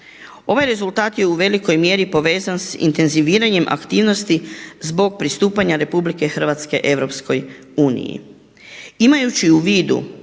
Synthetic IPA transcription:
o̞ʋajɾe̞zult̪aːt̪je̞uʋe̞liko̞jmje̞ɾipo̞ʋe̞ːzansḭnt̪e̞nziʋiːɾaɲe̞mʔa̰kt̪iːʋno̞st̪izbo̞ɡ̚pɾist̪uːpaɲaɾe̞publike̞xr̩ʋat̪ske̞̰ʔe̞ʋɾo̞psko̞j | uːnḭjḭ | imajut͡ʃiuʋiːd̪ṵ

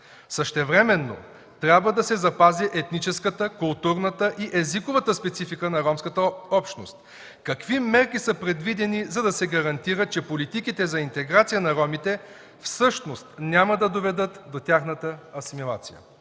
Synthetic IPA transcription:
səʃt̪ɛvɾɛmɛnːo̰ | t̪ɾʲabvəd̪ɐsɛzɐpaziʔɛt̪nit͡ʃɛskət̪əkʊlˠt̪uɾnət̪əʔiʔɛzikovət̪əspɛt̪sifikənɐɾɔmskət̪əɔpʃno̰st̪̚ | kɐkvimɛɾkisəpɾɛd̪vid̪ɛnizɐd̪ɐsɛɡɐɾɐnt̪iɾət̪̚t͡ʃɛpolit̪ikit̪ɛzɐint̪ɛɡɾat̪sijənɐɾɔmit̪ɛ | fsɤʃnost̪nʲjaməd̪ɐd̪ovɛd̪ɤt̪d̪ot̪ʲaxnət̪əɐsimilˠa̰t̪sijə̰

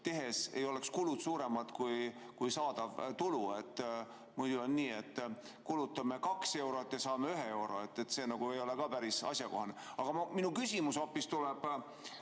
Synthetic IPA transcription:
t̪e̞ɦe̞se̞jo̞lekskulud̪suːɾe̞mɑt̪kuj | kujsɑːd̪̥ɑvt̪ulue̞t̪ːˑ | mujd̪̥uonːiːe̞t̪ːˑ | kulut̪ːˑɑme̞kɑkse̞wɾo̞et̪ːjɑsɑːmeyɦee̞wɾo̞̰e̞t̪ˑːe̞t̪ːse̞ːnɑɡ̥ue̞jo̞lekɑːpæɾisɑ̰sʲjɑko̞ɦɑneɑɡ̥ɑmminukysʲimuso̞pːˑist̪ulɛb̥

